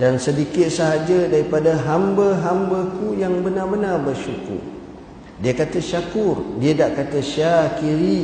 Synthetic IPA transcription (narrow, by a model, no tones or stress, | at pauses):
dansədikɪt̪̚saɦad͡ʒədaɾipadaɦambəɦambəkujaŋbənarbənarbərʃukṵr | diəkat̪əʃakʊrdiədaʔkat̪əʃakiɾi